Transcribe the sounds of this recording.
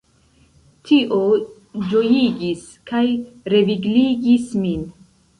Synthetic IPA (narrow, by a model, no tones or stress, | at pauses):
tʰiʔo | d͡ʒo̞jiɡis | kajɾe̞viɡliɡismin